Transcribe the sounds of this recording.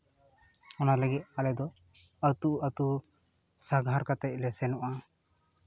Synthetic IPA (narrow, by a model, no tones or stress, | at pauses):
ɔnaləɡit̪̚alɛd̪ɔ | ət̪uət̪u | saɡʱaɾkat̪ɛc̚lɛsɛnɔʔa